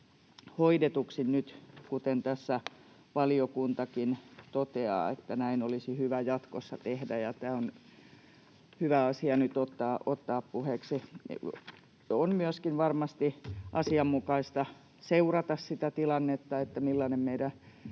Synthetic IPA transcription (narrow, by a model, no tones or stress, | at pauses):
hoidet̪uksinnyt̪kut̪ent̪æsːæ | ʋɑliokunt̪ɑkint̪ot̪eɑ̰ːḛt̪ːænæinolisihyʋæjɑt̪kosːɑt̪ehdæjɑt̪æːon | hyʋæɑsiɑnyt̪ot̪ːɑːʔot̪ːɑːppuheksi | onmyøskinʋɑrmɑst̪iʔɑsiɑmmukɑist̪ɑ | seurɑt̪ɑssit̪æt̪ilɑnːet̪ːɑet̪ːæmilːɑnemmeiɾæ